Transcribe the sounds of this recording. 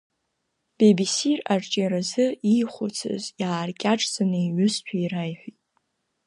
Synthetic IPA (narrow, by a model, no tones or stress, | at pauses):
b̥ebisirart͡ʃʼaɾazɨiχʷʊt͡sʰɨ̰zjaːrkʲʼaʈ͡ʂʼzanɨiʕʊst͡ʃʷʰaiɾajħʷᶣitʼ